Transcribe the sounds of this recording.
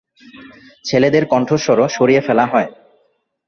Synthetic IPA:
t͡ɕʰeled̪eɾkɔɳʈʰoɾʃɔɾoʃoɾiefɛlaɦɔe

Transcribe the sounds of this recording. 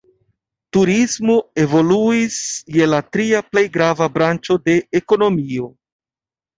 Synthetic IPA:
tuɾismo̞e̞vo̞luisje̞latɾiaple̞jɡɾavabɾant͡ʃo̞de̞ːko̞no̞mio̞

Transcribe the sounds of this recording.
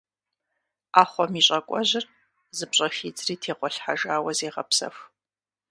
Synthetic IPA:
aːχʷɔmiːɕʼɐkʷʼɔʑɪr | zɨpɕʼɐxiːd͡zʼriːtʰeːqʷɔɬħaʒaːwɐzeːʁɐ̰psɐ̰f

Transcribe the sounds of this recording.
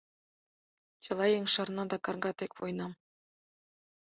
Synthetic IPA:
t͡ɕɤ̆lˠɑjeŋʲʂɤ̆rnɑd̪ɑkɑrɡɑt̪ekʲβojnɑm

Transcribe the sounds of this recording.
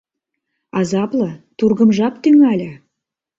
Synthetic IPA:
ɑzɑplɤt̪urɣə̆mʒɑpt̪yŋælʲə̆

